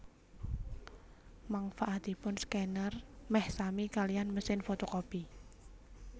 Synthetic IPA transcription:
maŋfaʔad̪ipʊnskɛnərmɛhsamikalijanməsɪnfot̪okɔpi

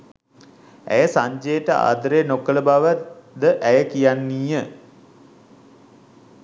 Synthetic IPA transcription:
æ̰jəsaɲd͡ʒejəʈəa̰ːd̪əɾenokələbaʋəd̪əʔæjəkijanːiːjə

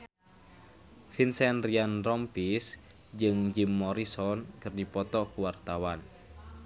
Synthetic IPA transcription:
finsɛnrianrɔmpis | d͡ʒɨŋd͡ʒimːɔɾisɔnkɨrdipɔt̪ɔkuwart̪awan

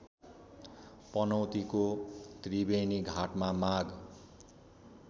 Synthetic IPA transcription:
pʌnʌwt̪ikot̪ribeniɡʱaʈmamaɡ

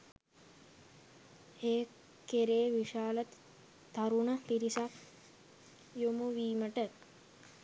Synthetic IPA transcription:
heː | keɾeːʋiʃaːlət̪ | t̪ːaɾunəpiɾisak | jumuʋiːməʈə

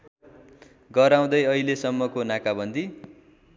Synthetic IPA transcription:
ɡʌɾaw̃d̪ʌjʌilesʌmːʌkonakabʌnd̪ʱi

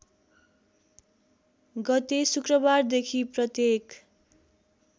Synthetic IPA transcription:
ɡʌt̪esukrʌbard̪ekʰiprʌt̪jek

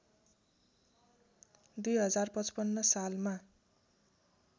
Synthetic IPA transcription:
d̪ujɦʌd͡zarpʌt͡spʌnːʌsalma

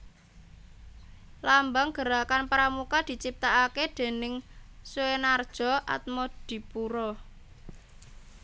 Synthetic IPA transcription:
lambaŋɡ̥ə̤ɾakanpaɾamukad̪̥i̤t͡ʃip̚t̪aʔaked̪̥e̤nɪŋsuenard̥ʒ̥ɔ̤ʔa̰t̪̚mod̪̥i̤puɾɔ

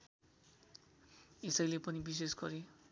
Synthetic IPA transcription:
esʌjlepʌnibis̬esɡʌɾe

